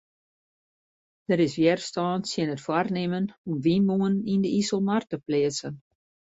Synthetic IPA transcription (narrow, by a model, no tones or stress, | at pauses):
d̥əɾɪsʋɪərstɑːntsjɪənətfwarnemənɔmʋinmuənindəisəlˠmartəplɪəsən